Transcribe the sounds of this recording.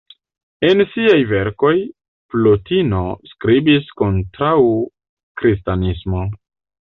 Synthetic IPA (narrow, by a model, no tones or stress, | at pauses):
e̞nsiajve̞ɾko̞j | plotino̞skɾibisko̞ntɾaw | kɾis̬tanismo̞